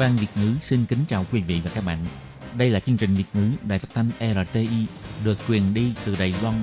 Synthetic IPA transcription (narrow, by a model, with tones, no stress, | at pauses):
vaː˧nvi˨˩ət̚ŋɨ˨˦si˧nkï˨˦ŋ̟t͡ɕaː˨˩wkwi˨˦vḭ˧˨vaː˨˩kaː˦˥k̚ɓa̰ː˧˨n | ɗə˧jlaː˨˩t͡ɕi˧əŋt͡ɕï˨˩ŋ̟vi˨˩ət̚ŋɨ˨˦ɗa̰ː˧˨jfa˦˥t̚t̪ʰa˧jŋ̟ʔɛ˧laː˨˧˩t̪e˧ʔi˧ɗɨ˨˩ək̚t͡ɕwi˨˩ənɗi˧t̪ɨ˨˩ɗa˨˩jlwa˧n